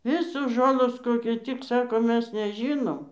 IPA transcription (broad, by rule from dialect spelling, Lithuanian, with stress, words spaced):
ˈʋʲɪsoːs ˈʒoːlˠoːs ˈkoːkʲʊ tʲɪk ˈsɑːkoː ˈmʲɛs nʲɛˈʒʲiːnoːm